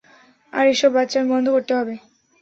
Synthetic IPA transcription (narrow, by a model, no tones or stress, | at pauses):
a̰ɾeʃɔbːat̪ːɕaɾbɔnd̪ʱokoɾt̪eɦɔbe